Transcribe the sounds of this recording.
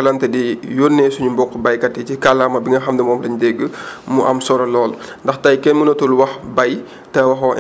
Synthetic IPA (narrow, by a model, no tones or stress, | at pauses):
ɐlɐntɛdijoːnːɛsuɲumbɔkːubɐjkɐtːɛcikɐlːamɐbiŋɡɐxɐmdɛmɔːmlɐɲdɛɡːəmuʔɐmsɔɾɐlɔːlndɐxtɐjkɛnmunɐtulwɐxbɐj | tɐwɐxɔʔ